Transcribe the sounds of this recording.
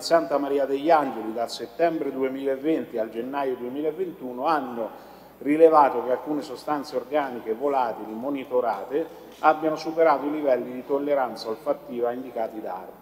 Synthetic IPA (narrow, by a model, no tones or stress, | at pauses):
sant̪amaɾiːad̪eʎːand͡ʒelid̪alset̪ːɛmbɾed̪uemiːlaevːent̪iald͡ʒenːaːjod̪uemiːlaevːent̪uːnoanːo | rilevaːt̪okealkuːnesost̪ant̪seorɡaːnikevolaːt̪ilimonit̪oɾaːt̪e | abjanosupeɾaːt̪oilivɛlːid̪it̪olːeɾant̪saalfat̪ːiːvaind̪ikaːt̪id̪a̰r